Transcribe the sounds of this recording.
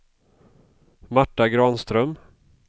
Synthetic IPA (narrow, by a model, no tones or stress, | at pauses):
maʈːaɡɾɑːnst̪ɾœm